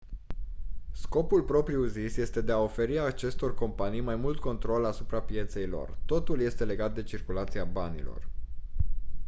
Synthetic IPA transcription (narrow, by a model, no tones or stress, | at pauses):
sko̞pulpɾo̞pɾiuzisje̞st̪e̞d̪e̞ao̞fe̞ɾiat͡ʃe̞st̪o̞rko̞mpanijmajmult̪ko̞nt̪ɾo̞lasupɾapije̞t̪se̞jlo̞̰rt̪o̞t̪ulje̞st̪e̞le̞ɡat̪̚d̪e̞t͡ʃirkulat̪siabanḭlo̞̰r